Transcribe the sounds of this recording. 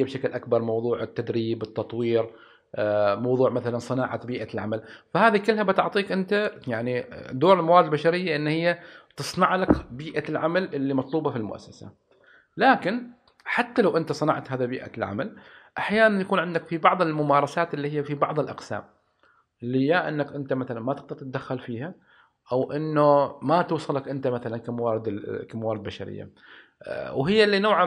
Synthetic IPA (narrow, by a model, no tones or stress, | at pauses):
abʃaklʔakbɑɾˤmɑwðˤuːʕɪt̪ːad̪ɾiːbɪt̪ːɑt̪ˤwiːɾ | mɑwðˤuːʕmaθalansˤɨnaːʕat̪biːʔalʕa̰malfahaːðikɪlhabat̪ʊʕt̪ˤiːkʔɪnt̪ajaʕnid̪oːɾɪlmawaːɾd̪lbaʃaɾɪjːaʔɪnːhɪjːat̪ɨsˤnɑʕlakbiːʔalʕamalʔɪlːimɑt̪ˤluːbɑfilmʊ̰ʔa̰sːasa̰ | laːkɪn | ħat̪ːalawʔɪnt̪asˤɑnɑ̰ʕt̪haːðabiːʔa̰lʕa̰malʔaħjaːnanjakuːnʕɪnd̪akfibɑʕðˤɪlmʊmaːɾˤɑsaːt̪ʔɪlːiːhɪjːafibɑʕðˤɪlʔɑ̰qsa̰ːm | ʔɪlːɪjːaʔɪnːakʔɪnt̪amaθalanmat̪ɪqd̪aɾt̪̚d̪axːalfiːha | ʔawʔɪnːʊmat̪uːsˤɨlakʔɪnt̪amaθalankamawaːɾɪd̪kamawaːɾɪd̪baʃa̰ɾɪ̰jːa̰ | wɦɪjːalːinoːʕa